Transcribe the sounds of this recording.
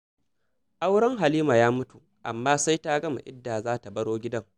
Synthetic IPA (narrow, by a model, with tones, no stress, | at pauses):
ʔa˦wɽɐ˦ŋɦa˨liː˦ma˨jaː˦mʊ˦tu˨ | ʔa̰˨mːaː˦sa˦jta˦ɡɐ˦ma̰˨ʔɪ̰˦dːaː˨zaː˦ta˨bɐ˦ɽoː˦ɡʲɪ˦dɐ˦ŋ